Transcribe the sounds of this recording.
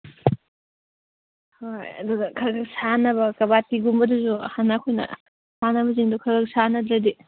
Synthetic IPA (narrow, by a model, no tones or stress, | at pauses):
hojɐ̰dudɐkʰɐɾɡɐksanɐbɐkɐbatiɡumbɐduzuhanːaːkʰojnɐ̰ | sanɐbɐziŋdukʰɐɡɐk̚sanɐd̪ɾɐdi